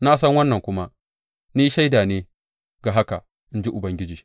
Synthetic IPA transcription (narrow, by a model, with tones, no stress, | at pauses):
naː˦sɐ˦ŋwɐ˦nːɐ˨ŋkʷʊ˦ma˦ | niː˦ʃa˦jdaː˨neː˦ | ɡaː˨ɦa˦ka̰˨ | ʔɪ˦nd͡ʒi˦ʔʊ˨bɐ˦ŋɡʲɪ˦d͡ʒiː˨